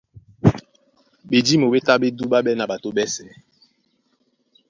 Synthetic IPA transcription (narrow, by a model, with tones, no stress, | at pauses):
ɓe˨d͡ʒi˦mo˨ɓe˦ta˦ɓe˦du˦ɓa˦ɓɛ˦na˨ɓa˨to˦ɓɛ˦sɛ˨˦